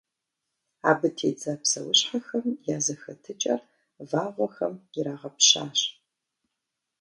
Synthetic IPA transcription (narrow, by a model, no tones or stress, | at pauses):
a̰ːbɨtʰḛːd͡zɐpsɐ̰wʊɕħaxɐmjaːzɐxɐtʰɨt͡ʃʼɐr | vaːʁʷɔxɐmɪɾaːʁɐpɕa̰ːɕ